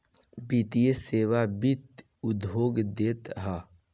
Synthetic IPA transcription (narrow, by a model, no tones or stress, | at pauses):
bit̪ijeseːwabit̪ | ʊd̪ɦoːɡd̪eːt̪ɦa